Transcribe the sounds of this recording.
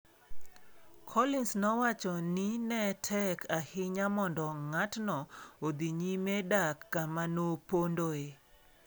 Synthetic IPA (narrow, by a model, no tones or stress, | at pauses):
kʰɔlɪnsnɔwat͡ʃɔninɛtʰɛkʰahɪɲamɔndɔŋatnɔod̪iɲimedakːamanopondoe